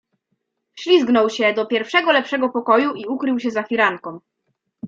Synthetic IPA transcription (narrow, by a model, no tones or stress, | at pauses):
fɕlʲizɡnɔwɕɛd̪ɔpʲjɛɾfʂɛɡɔlɛpʂɛɡɔpɔkɔjuʔiukɾɘwɕɛzaxʲiɾaŋkɔ̃m